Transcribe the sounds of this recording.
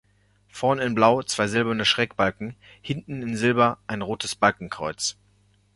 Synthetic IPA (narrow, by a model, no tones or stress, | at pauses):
fɛɐnɪnblaʊt͡sv̥aɪzɪlbɐnəʃʁ̥ɛːkb̥alkŋ̩ | hɪntn̩ɪnzɪlbɐʔaɪnʁoːtʰəsb̥alkŋ̩kʁ̥ɔʏt͡s